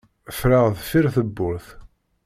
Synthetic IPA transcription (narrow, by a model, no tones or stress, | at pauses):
fɾaʁðfiɾθəbːʊɾθ